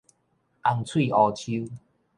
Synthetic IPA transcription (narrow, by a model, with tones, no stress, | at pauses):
ʔa˧ŋt͡sʰwi˥˧˨ɔ˧t͡ɕʰu˦